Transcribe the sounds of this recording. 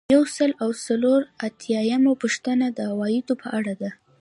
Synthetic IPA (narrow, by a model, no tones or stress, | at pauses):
jawsəlawsaloɾat̪ʰjɑjamapuʂt̪ənad̪əhawɑjɪd̪opʰəʔaɽad̪a